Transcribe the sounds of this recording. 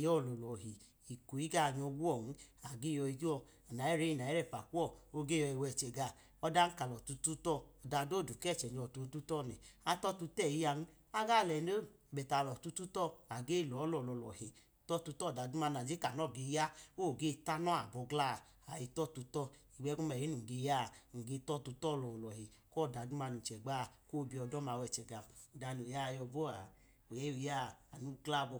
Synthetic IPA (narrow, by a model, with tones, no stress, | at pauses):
jɔ˦˨lɔ˨lɔ˨ɦi˨ | i˨ku˨i˦ɡa˦˨ɲɔ˧ɡu˦ɔ˦˨n̩˦a˨ɡe˦jɔ˧i˧ɡi˦ɔ˧ | a˨na˨ɛ˦ɾe˦i˦˨na˨ɛ˦ɾɛ˦˨pa̰˨ku˦ɔ˦˨o˦ɡe˦jɔ˧i˧wɛ˧˨t͡ʃɛ˨ɡa˧˨ | ɔ˦da˦n̩˦ka˨lɔ˨tu˧tu˦tɔ˦ɔ˨da˧do˦˨du˨kɛ˦˨t͡ʃɛ˨ɲɔ˨tu˨˧˦tu˦tɔ˦˨nɛ̰˨a˧tɔ˦tu˧tɛ˦˨ji˦ja˧n̩˦ | a˦ɡa˦˨lɛ˨no˦˨bɛ˨ta˨lɔ˨tu˦tu˦tɔ˦a˨ɡe˦˨lɔ˨˦lɔ˨lɔ˨lɔ̰˨hi˨ | tɔ˦˨tu˧˦tɔ˦˨da˨du˦ma˧n˨a˨d͡ʒe˦ka˨nɔ˦˨ɡe˧˦ja˦o˦˨ɡe˦ta˦nɔ˦a˨bɔ˧ɡla˦˨ | a˨ji˧tɔ˦tu˧tɔ˦ | i˨wɛ˧˦ku˦mɛ˨i˦nu˨ɡe˧˦ja˦˨ŋ̩˨ɡe˧tɔ˦˨tu˧tɔ˦˨lɔ˨lɔ˨hi˨kɔ˦˨da˨du˦ma˧nu˨t͡ʃɛ˨ɡ͡ba˦˨ko˦˧˨bi˧ɔ˧dɔ˦ma˨˧˨wɛ˧˨t͡ʃɛ˨ɡa˨u˨da˨˧nu˨ja˦˧jɔ˧bɔ˦a˨ | o˨jɛ˨˦ju˧ja˦˨a˨nu˦ɡla˦˨bɔ˧